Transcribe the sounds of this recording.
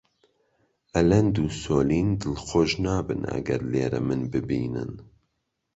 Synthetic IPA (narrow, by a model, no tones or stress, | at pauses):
ʔɛlɛnd̪uːsoːliːnd̪ɨlxoʒnɑːbɨnɐ̰ɡɐ̰ɾleːɾɛ̰mɨnbɨbiːnɨ̰n